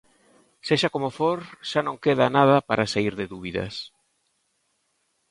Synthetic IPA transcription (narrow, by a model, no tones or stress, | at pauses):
seʃakomofoɾʃanõŋkeðanað̞ɐpaɾasaiɾðɪðuβiðɐ̰s